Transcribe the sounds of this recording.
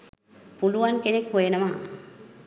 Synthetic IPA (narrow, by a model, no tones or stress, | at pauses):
puluʋankenekɦojenəma